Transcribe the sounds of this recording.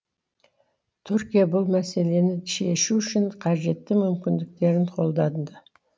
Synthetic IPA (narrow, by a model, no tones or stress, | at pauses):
t̪ʰʏɾkʲijabʊlˠmæse̞le̞nɪʃe̞ʃuʏʃɪɴqʰɑʒe̞t̪ːɪmʏmkʲɪnd̪ɪk̚t̪e̞ɾɪɴqʰo̞lˠd̪ɑnd̪ə